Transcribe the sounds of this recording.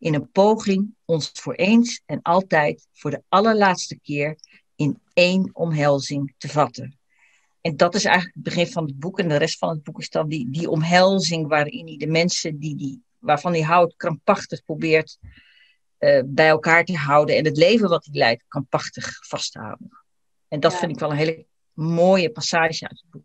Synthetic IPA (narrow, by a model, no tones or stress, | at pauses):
ʔɪnənpowχɪŋɔnstfʊːɹʔejnsɛnɑlˠtɛjt | fʊːɹdəɑləɹlaːtstəkɪːɹ | ɪn | ejnɔmɦɛlˠzɪŋtəvɑtən | ɛndɑtɪsɛ̰jχələkəd̚bəχɪpfɑnəd̚bukɛndərɛstfɑnəd̚bukɪsdɑndidiʔɔmɦɛlˠzɪŋʋaːɾɪnidəmɛnsədidi | ʋaːɹv̥ɑniɦʌwtkrɑmpɑχtəχprowbɪːɹt | bɛjɛlˠkaːɹtəɦʌwdəɛnɦətlejvənʋɑtilɛjtkrɑmpɑχtəχfɑstəɦhɑ̰wdən | ɛndɑtfɪndɪkʋɛlˠənɦeːlə | moːjəpasaːʒəœ̰ɥtəd̚buk̚